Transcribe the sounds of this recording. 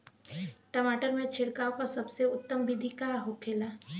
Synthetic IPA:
ʈəmaːʈəɾmẽt͡ʃʰɪɽkaːõkasɐbseʊt̪ːəmbɪd̪ʱikaɦokʰeːlaː

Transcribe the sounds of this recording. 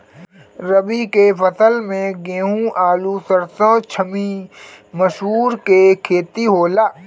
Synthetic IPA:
ɾəbikepʰəsəlmẽɡẽːɦũaːlusəɾsə̃t͡ʃʰəmi | məʃɦuːɾkekʰeːt̪iɦoːlaː

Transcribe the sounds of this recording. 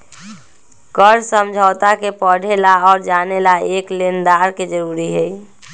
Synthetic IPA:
kəɾsəmd͡ʒʱəʊt̪akepəɽ̤ʱelaɔːɾd͡ʒanelaeklend̪aɾked͡ʒəɾuɾiɦəj

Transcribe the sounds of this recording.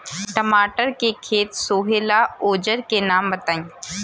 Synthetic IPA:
ʈɐmaːʈəɾkekʰeːt̪soːɦeːlaoːd͡ʒəɾkenaːmbɐt̪aːĩː

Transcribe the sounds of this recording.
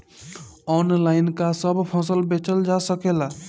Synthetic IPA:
ɔnlajnkasəbpʰɔ̃səlbet͡ʃəld͡ʒasəkela

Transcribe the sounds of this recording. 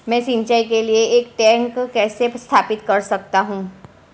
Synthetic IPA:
mɛ̃ːsĩɲt͡ʃaːikelieeːkʈɛ̃ːŋkkːɛːsest̪ʰaːpɪt̪kɐɾsɐk̚t̪aɦũː

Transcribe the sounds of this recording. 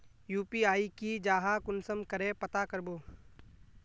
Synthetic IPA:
juːpiaːikid͡ʒaːɦakʊnsəmkəɾẽpɐt̪akəɾboː

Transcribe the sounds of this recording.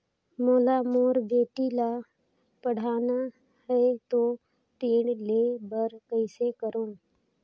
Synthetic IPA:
moːlamoːɾbeːʈila | pəɽ̤aːna | ɦɛet̪oː | t̪eːɽleːbəɾkəɪsekəɾõː

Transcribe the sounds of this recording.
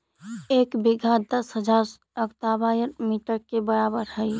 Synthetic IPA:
eːkbɪɡʱad̪əsɦəd͡ʒaːɾ | əkt̪aːbaːjəɾmiːʈəɾkebəɾaːbəɾɦəi

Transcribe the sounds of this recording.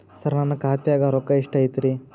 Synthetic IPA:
sɐɾnɐnːɐkaːt̪jaːɡɐɾokːɐiʂʈɐjit̪iɾi

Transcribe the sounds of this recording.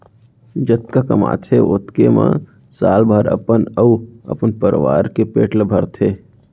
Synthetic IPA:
d͡ʒət̪̚kakəma̰ːt̪ʰeʊt̪kemã̰ | saːlbʱaɾə̰pənəuə̰pənpəɾʋa̰ːɾkepeːʈlbʱəɾt̪ʰeː

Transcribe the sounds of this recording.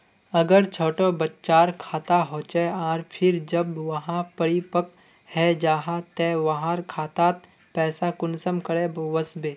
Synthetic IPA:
ɐɡəɾt͡ʃʰoːʈobɐtːt͡ʃaːɾkʰaːt̪aɦoːt͡ʃeaːɾpʰɪɾd͡ʒɐbʋɐɦãpəɾipək̚ | hɛd͡ʒaːɦat̪ɛːʋɐɦãɾkʰaːt̪aːt̪̚ | pɛːsakʊnsəmkəɽẽʋəsbeː

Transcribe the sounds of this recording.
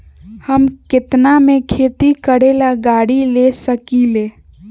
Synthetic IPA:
həmkɪt̪namẽkʰeːt̪ikəɽelaɡaːɽilesəkile

